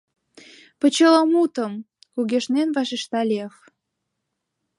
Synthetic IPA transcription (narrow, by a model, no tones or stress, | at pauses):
pə̆t͡ɕələmut̪ə̆m | kuɣʲeʃnenvɑʃeʃt̪ɑlʲex